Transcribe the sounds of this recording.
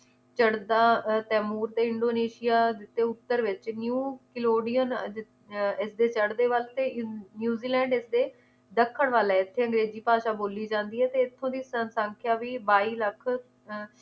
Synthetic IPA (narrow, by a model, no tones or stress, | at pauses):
t͡ʃəɽd̪aːt̪ɛːmuːɾt̪eːɪɳɖoːneːʃɪjaːd̪ɪt̪ːeːʊt̪ːəɾʋɪt͡ʃnjuːkɪloːɖijən | ɪsd̪eːt͡ʃəɽd̪eːʋəlt̪eːnjuːziːlɛ̃ːɳɖɪsd̪eː | d̪əkʰːəɳʋaːlɛːɪt̪ʰːeːə̃ŋɡɾeːziːpaːʃaːboːliːd͡ʒãːnd̪iːɦɛːt̪eːɪt̪ʰːõːd̪iːsəsə̃ŋkʰjaːʋiːbaːiːləkʰ